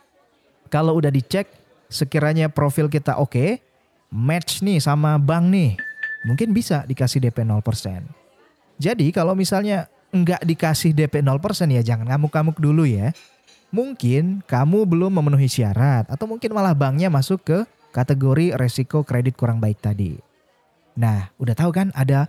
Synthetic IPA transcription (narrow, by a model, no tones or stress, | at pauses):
kalowudahdit͡ʃɛk̚ | səkiɾaɲapɾofɪlk̬it̪a̰ʔoke | mɛtt͡ʃnɪsamabaŋnɪhmuŋkɪnbisadikasɪhdepenɔlpərsɛ̰n | d͡ʒadikalowmisalɲa | əŋɡaʔdikasɪhdepenɔlpərsɛnjad͡ʒaŋankamukamʊk̚duluja | muŋkɪnkamubəlʊmːəmənuɦisia̰ɾat̪at̪awmuŋkɪnmalahbaŋɲamasʊkːə | kat̪əɡoɾiɾesikokɾedɪt̪̚kuɾaŋbaɪk̚t̪adḭ | nahudaht̪aukana̰da